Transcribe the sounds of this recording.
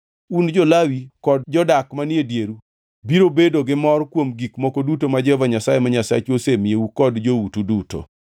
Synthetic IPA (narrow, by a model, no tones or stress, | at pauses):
und͡ʒɔlawikɔd̚d͡ʒɔdakmanɪedjeɾu | biɾobedoɡɪmɔrkwomɡikmɔkodutomad͡ʒɛvaɲasajemaɲasa̰t͡ʃosemjeukɔdd͡ʒoutuduto̰